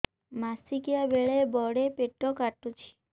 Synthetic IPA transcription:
masikjabeɭebɔɽepeʈːɔkaʈːut͡ʃʰi̥

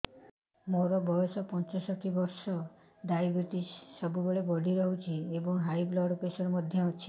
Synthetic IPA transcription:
moɾɔbʱɔjɔsɔpɔnt͡ʃɔsɔʈʰibɔɾsɔ | ɖajbɾit̪issɔbubeɭebɔɽʱiɾɔɦut͡ʃʰiebɔŋɦajblɔɽpɾesɔɾmɔd̪ʱjɔaũt͡ʃʰi̥

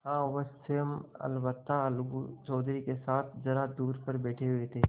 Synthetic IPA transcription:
hãːʋɐsɪjəmɐ̰lʋət̪ːalɡut͡ʃɔːd̪ɾikesaːt̪ʰd͡ʒɐɾad̪uːɾpɐɾbɛːʈʰeɦʊet̪ʰeː

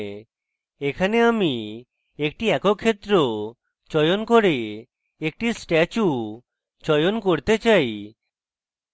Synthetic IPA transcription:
ekʰaneami | ek̚ʈiɛkokʰːet̪ːɾo | t͡ɕɔjonkoɾe | ek̚ʈisʈɛt͡ɕu | t͡ɕɔjonkoɾt̪et͡ɕaj

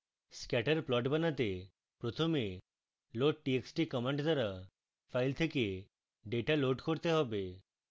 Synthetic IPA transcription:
skɛʈəɾplɔʈbanat̪e | pɾot̪ʰome | loʈ̚ʈieksʈikɔmeɳʈd̪ʱaɾa | fʰajlt̪ʰeke | ɖeʈaloʈkoɾt̪eɦɔbe

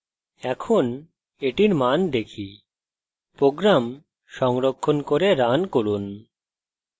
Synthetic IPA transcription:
ɛkʰon | eʈiɾmand̪ekʰi | pɾoɡɾam | ʃɔŋɾokʰːonkoɾeɾankoɾun

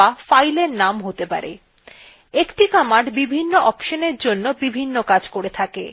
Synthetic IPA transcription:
afajleɾnamɦot̪epa̰ɾḛ | ekʈikamaʈbibʱinːoʔɔpʃoneɾd͡ʑonːobibʱinːokad͡ʑkoɾet̪ʰakḛ

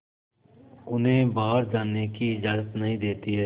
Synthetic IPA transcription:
ʊnɦẽːbaːɾd͡ʒaːnekiɪd͡ʒaːzət̪nəɦĩːd̪eːt̪iɦɛː

